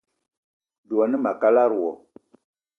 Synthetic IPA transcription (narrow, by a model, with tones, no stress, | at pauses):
du˨ɔ˨ni˦ma˨ka˦la˦ɾwɔ˨